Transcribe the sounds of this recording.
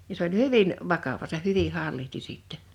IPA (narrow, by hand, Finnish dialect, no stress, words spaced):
jɑ s olʲ hyʋin ʋɑkɑʋɑ seh̆ hyʋih̆ hɑlːihti siˑtːɛn̥